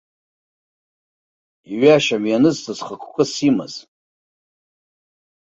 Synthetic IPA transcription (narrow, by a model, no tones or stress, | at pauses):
iɥaʃaɥjanɨztʰʼɨzχakʷʰkʷʼʊsimɨ̰z̥